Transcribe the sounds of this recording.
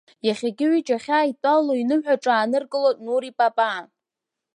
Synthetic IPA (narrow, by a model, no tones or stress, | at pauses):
jaχʲaɡʲɪʕʷit͡ʃʼaχʲaːitʷʼalːoinɨmħʷᶣaʈ͡ʂʼaːnɨrɡʼɨlotʼnuɾipʼapʼa